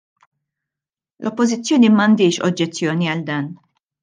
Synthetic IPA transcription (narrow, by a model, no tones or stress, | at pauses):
lʔɔpːɔzɪt͡sːjɔːnimɐnd̪ɪːʃɔ̰d͡ʒːɛt͡sːjɔːniɐld̪ɐːn